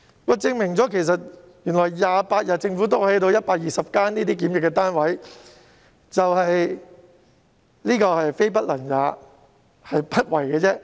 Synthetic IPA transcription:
wɔ˨˧t͡sɪ˧ŋmɪ˨˩ŋt͡sɔː˨˥kʰe˨˩js̬ɐ˨t̚ | jy˨˩nlɔː˨˩jjaː˨˧paː˧t̚jaː˨˩t͡sɪ˧ŋfu˨˥t̪o˥whɐ˨˥jt̪o˧wjɐ˥t̚paː˧k̚jiː˨sɐ˨p̚kaː˥niː˥t̪iː˥kiː˨˥mjɪ˨kːɛː˧t̪aː˥nwɐ˨˥j | t͡sɐ˨whɐ˨j | liː˥kɔː˧hɐ˨jfe˥jp̬ɐ˥t̚lɐ˨˩njaː˨˧˥ | hɐ˨jpɐ˥t̚wɐ˨˩jkɛː˧t͡sɛː˥

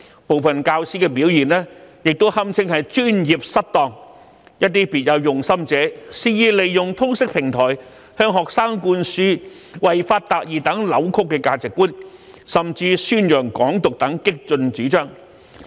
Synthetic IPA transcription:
po˨wfɐ˨nkaː˧wsiː˥kɛː˧p̬iː˨˥wjiː˨˩nɛː˥jɪ˨k̚t̪o˥whɐ˥mt͡sʰɪ˥ŋhɐ˨jt͡ʃyː˥njiː˨p̚sɐ˥t̚t̪ɔː˨˩ŋ | jɐ˥t̚t̪iː˥piː˨˩t̚jɐ˨˧wjʊ˨˩ŋsɐ˥mt͡sɛː˨˥siː˧jiː˧le˨jːʊ˨ŋt̪ʰʊ˥ŋsɪ˥k̚pʰɪ˨˩ŋt̪ʰɔː˨˩j | hœː˧ŋɦɔː˨k̚saː˥ŋkuː˧nsyː˥ | wɐ˨jfaː˧t̚t̪aː˨˩k̚jiː˨t̪ɐ˨˥ŋlɐ˨˥wkʰʊ˥kːɛː˧kaː˧t͡sɪ˨kːuː˥n | sɐ˨˩mt͡siː˧syː˥njœː˨˩ŋkɔː˨˥ŋt̪ʊ˨k̚t̪ɐ˨˥ŋkɪ˥k̚t͡sɵ˧nt͡siː˨˥t͡ʃœː˥ŋ

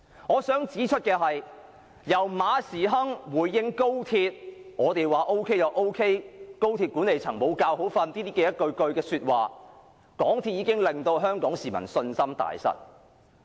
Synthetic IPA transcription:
ŋɔː˨˧sœː˨˥ŋt͡siː˨˥t͡ʃʰɵ˥t̚kɛː˧ɦɐ˨j | jɐ˨˩wmaː˨˧siː˨˩ɦɐ˥ŋwuː˨˧jːɪ˥ŋko˥wt̪ʰiː˧t̚ŋɔː˨˧t̪e˨jwaː˨˩ʔo˥wkʰe˥jɐ˨˧wʔo˥wkʰe˥jko˥wt̪ʰiː˧t̚kuː˨˥ne˨jt͡sʰɐ˨˩ŋmo˨˧wkaː˧who˨˥wfɐ˧nt̪iː˥t̪iː˥kɛː˧jɐ˥t̚kɵ˧ɥkɵ˧ɥkɛː˧syː˧t̚wa̰ː˨ | kɔː˨˥ŋt̪ʰiː˧t̚jiː˨˧kɪ˥ŋlɪ˨˩ŋt̪o˧wɦœː˥ŋkɔː˨˥ŋsiː˨mɐ̰˨˩nsɵ˧nsɐ˥mt̪a̰ː˨˩jsɐ̰˨˥t̚

